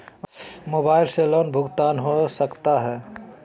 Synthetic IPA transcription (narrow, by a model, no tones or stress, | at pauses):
moːbaːɪlseloːnbʱʊɡt̪aːnɦosəkt̪aɦɛː